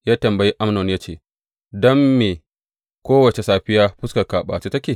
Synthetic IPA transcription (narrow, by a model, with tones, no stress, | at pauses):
jaː˦tɐ˨mbɐ˨ji˦ʔa˦mnɔ˨njaː˦t͡ʃeː˦˨ | dɔ˦mːeː˨ | kʷoː˦wɐ˨t͡ʃe˨saː˦ɸɪ˦jaː˦ɸʊ˦skɐ˨kaː˨ɓa̰ː˨t͡ʃe˦tɐ˦kʲeː˨